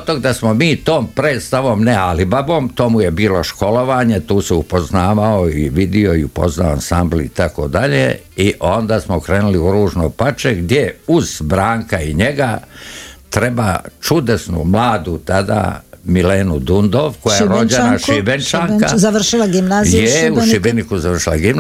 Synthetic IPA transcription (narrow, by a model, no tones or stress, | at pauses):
ot̪oɡd̪asmomiːt̪o̞ːmpɾeːt̪st̪aʋo̞ːmnealibabo̞ːmt̪o̞ːmuje̞biːlo̞ʃko̞lo̞ʋaːɲet̪uːsɛupoznaːʋaoiʋid̪io̞iupo̞̰znaoa̰nsambliit̪ako̞̰d̪aʎḛ | iʔo̞nd̪aːsmokɾeːnuliuɾuːʒnopat͡ʃeɡd̪jeuz̥bɾaːŋkaiɲe̞ɡa | t̪ɾebaːt͡ʃud̪esnṵmlaːd̪ut̪ad̪a̰mileːnud̪und̪oʋkojajeɾod͡ʑenaʃibent͡ʃaːŋkazaʋr̩ʃilaɡimnaːzijeuʃibenikuzaʋr̩ʃilaɡimn